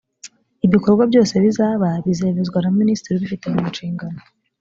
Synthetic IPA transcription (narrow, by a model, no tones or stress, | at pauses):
iβiko̞ɾbɡwabjo̞ːse̞βizaːβaβizeβezɡwanaministiɾiβifitemumunʃiːŋɡano̞